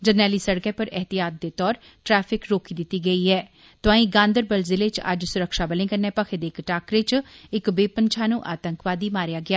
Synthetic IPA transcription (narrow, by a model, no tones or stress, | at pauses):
d͡ʒənːɛːliːsəɽkɛ̃ːpəɾɛɦt̪ijaːt̪̚d̪eːt̪ɔːɾ | ʈɾɛːpʰɪkɾoːkiːd̪ɪt̪ːiːɡəiːɦɛː | t̪ʊãːĩːɡãːnd̪əɾbəlzɪleːt͡ʃə̰d͡ʒsʊɾəkʃaːbəlɪ̃ːɡənːɛːpəkʰeːd̪eːɪkʈaːkɾeːt͡ʃɪkbeːpənt͡ʃʰaːnũːʔaːt̪əŋkʋaːd̪iːmaːɾjaːɡɪaː